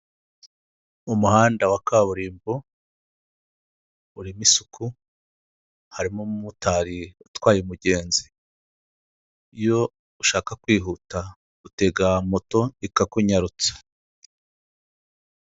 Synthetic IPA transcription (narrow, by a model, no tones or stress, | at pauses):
umuhaːndawakaβuɾiːmbo | uɾimisukʰu | haɾimomumutʰaɾiutwaːjimuɟe̞ːnzi | jo̞ | uʃaːkakwiːɦuta | ɡute̞ɡamoto̞ikakuɲaɾut͡sḁ